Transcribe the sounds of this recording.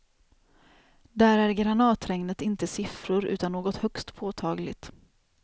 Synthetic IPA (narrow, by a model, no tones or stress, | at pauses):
d̪æːɾæɾɡɾanɑːt̪ɾɛŋnət̪ɪnt̪əsɪfɾʊɾʉ̟ːt̪anːoːɡɔt̪hœkst̪pʰoːt̪ʰɑːɡlɪ̰t̪